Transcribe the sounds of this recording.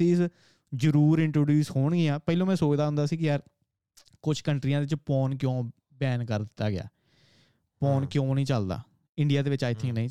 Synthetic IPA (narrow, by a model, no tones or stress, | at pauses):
iːs | zəɾuːɾɪɳʈɾoːɖjuːsɦoːɳɡiːãːpɛːilõːmɛ̃ːsoːt͡ʃd̪aːʊnd̪aːsiːkɪjaːɾ | kʊt͡ʃʰkəɳʈɾijãːd̪eɪʋɪt͡ʃpɔːnkjõː | bɛːnkəɾd̪ɪt̪ːa̰ːɡɪa̰ː | pɔːnkjõːnĩːt͡ʃəld̪a̰ː | ɪɳɖɪjaːd̪eːʋɪt͡ʃaːɪt̪ʰɪ̃ŋknəĩː